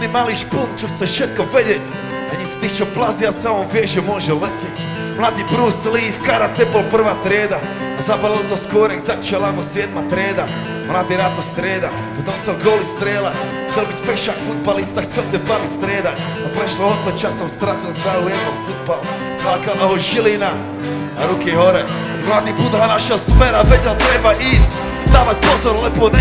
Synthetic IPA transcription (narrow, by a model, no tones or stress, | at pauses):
nimaːliʃkunt͡ʃoxt̪sɛʃet̪̚koʋedʲetʲ | aɲiso̥t̪iːxt͡ʃoplˠaziasamomʋjeʒɛmoʒɛletʲetʲ | mlˠaːd̪iːbɾuːsliːfkaɾat̪ɛpolpr̩ʋaːt̪ɾʲjeːd̪a | azapaot̪oskoːɾɛkzat͡ʃelˠamosjeːd̪mat̪ɾʲjeːd̪a | mlˠaːd̪iːɾat̪ost̪ɾeːd̪a | pot̪omxselɡoːlist̪ɾeːlat̪ʲ | xt͡s̪ɛlbit̪ʲfeʃakfud̪̚balˠist̪axt͡s̪ɛlt̪ɛbalist̪ɾeːd̪a | apɾeʃloɦot̪ot͡ʃasomst̪ɾat̪onsaujed̪nomfud̪̚bal | sakalaɦoʒilina | aɾukeɦoɾɛ | mlaːd̪ipuːt̪ɦanaʃaospeɾavedʲalt̪ɾebaʔit̪ | t̪aːmapozoɾlepone